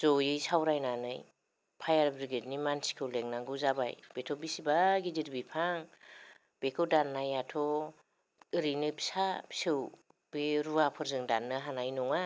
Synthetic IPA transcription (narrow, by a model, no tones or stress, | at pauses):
zɔjɯjsawɾajnanɯj | pʰajaɾbɾiɡed̚nimansi̥kʰɯwleŋnaŋɡɯwzaba̰jb̥etʰɔbisibaɡiziɾbipʰaŋ | b̥ekʰɯwdanːajatʰɔ | ɾinɯbi̥sab̥i̥sɯw | beɾuwapʰɯɾzɯŋdanːɯɦanajnɔŋa